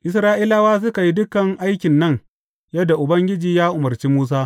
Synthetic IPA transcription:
ʔɪ˦sɾaː˦ʔiː˦laː˦waː˦s̬ʊ˦ka˨ji˦dʊ˦kɐ˨ŋʔa˦jkʲɪ˨nːɐ˦ŋ | jɐ˦dːa˨ʔʊ˨bɐ˦ŋɡʲɪ˦d͡ʒiː˨jaː˦ʔʊ˨mɐ˨rt͡ʃiː˦muː˦s̬aː˦

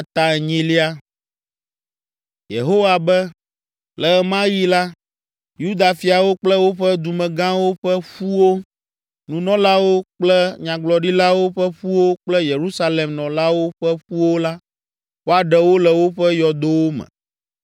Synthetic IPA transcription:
a˨t̪a˨ɲĩ˦li˦a˦ | jḛ˨ɦo˦wa˨bɛ˦ | lɛ˨˦˨mã˦ji˦la˦ | ju˦d̪a˨fi˨a˨wo˦k͡plɛ˦wo˦ɸɛ˦d̪u˨mɛ̃˨ɡã˦wo˦ɸɛ˦ɸu˦wo˦ | nũ˨nɔ̃˦la˦wo˦k͡plɛ˦ɲã˨ɡ͡blɔ˨ɖi˦la˦wo˦ɸɛ˦ɸu˦wo˦k͡plɛ˦je˨ɾu˦sa˦le˨mnɔ̃˨la˦wo˦ɸɛ˦ɸu˦wo˦la˦ | wo˦a˨ɖɛ˨wo˦lɛ˨wo˦ɸɛ˦jɔ˨d̪o˦wo˦mɛ̰̃˨

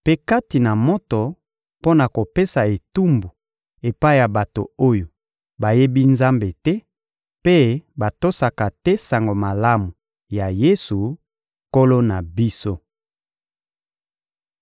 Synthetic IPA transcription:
pe˦ka˦ti˨na˨mo˦to˨ | po˦na˨ko˨pe˦sa˨e˨tu˦mbu˨ | e˨pa˦i˦˨ja˨ba˨to˨o˦jo˨ | ba˨je˦bi˦nza˦mbe˨tɛ˦ | pe˦ba˨to˦sa˨ka˨tɛ˦sa˨ŋɡo˨ma˨la˦mu˨ | ja˨je˦su˨ | ko˦lo˦na˨bi˦so˦

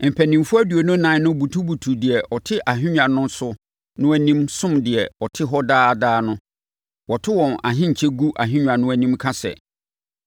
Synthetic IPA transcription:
m̩˨pʰæ˨nĩ˨mfʊ˦æ˦du˨o˨nʊ̃˦nã˨˦nʊ̃˦bu˨tʰu˦bu˨tʰu˨dɪ˨ɛ˨ʔɔ˨tʰɪ˦ʔa˨ɦĩ˦ɲᶣã˨nʊ̃˦n˦sʊ˦ | nʊ̃˦æ˦nĩ˦msʊ̃˦mdɪ˨ɛ˨ɔ˨tʰɪ˦ɦɔ˦daː˦˨daː˦nʊ̃˦ | wɔ˨tʰɪ˦wɔ̃˨na̰˨ɦɪ̃˦ɲ̩˨t͡ɕʰɛ˦ɡu˦ʔa˨ɦĩ˦ɲᶣã˨nʊ̃˦æ˨nĩ˦mkʰa˦sɛ̰˨

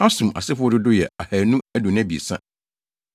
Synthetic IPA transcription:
a˦sũ˨ʔa̰˨sɪ˦fʊ˦ɔ˦dʊ˦dʊ˦jɛ˨a˨hæ˨nũ˦æ˦dʊ˨nɪ̃˦æ˦bi˨ḛ˨sã̰˦

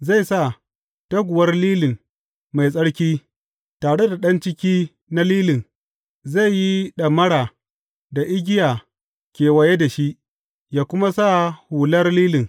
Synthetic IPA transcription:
za˦˨jsa˦˨ | tɐ˦ɡʷʊ˨wɐ˦rliː˦lɪ˨ŋ | ma˨jsʼɐ˦ɽkʲiː˦ | taː˨ɽe˦da˨ɗɐ˦nt͡ʃɪ˦kʲiː˦ | na˦liː˦lɪ˨n | za˦˨jji˦ɗɐ˨mɐ˦ɽa˨ | da˨ʔɪ˦ɡʲɪ˦jaː˨ | kʲeː˨wɐ˨je˦da˨ʃi˦ʔ | jaː˦kʷʊ˦ma˦sa˦huː˨lɐ˦rliː˦lɪ˨ŋ

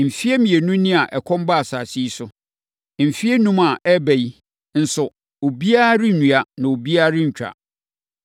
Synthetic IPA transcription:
m̩˨fi˦e˦mĩ˨e˨nũ˦nĩ˦a˨ʔɛ˨kʰɔ̃˦m˦ba˦a˨saː˨si˦sʊ˨ | m̩˨fi˦e˦nũ˦ma˨ʔɛ˦bæ˨ji˦ | n̩˨sʊ˨ | o˨bi˦a˦ɾɪ˦nũ˨a˨nã˨o˨bi˦a˦ɾɪ˦ɲ̩˨t͡ɕᶣɾa̰˨

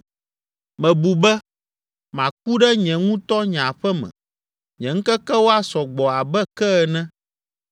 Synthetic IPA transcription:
mɛ̃˨bu˨bɛ˦ | mã˨k̚u˦ɖɛ˦ɲɛ̃˨ŋũ˦t̪ɔ˦ɲã˨ɸɛ˦mɛ̰̃˨ | ɲɛ̃˨ŋ̩˦kɛ˦kɛ˦wo˦a˦sɔ˨ɡ͡bɔ˨a˨bɛ˦kɛ˦ɛ˨nɛ̃˦

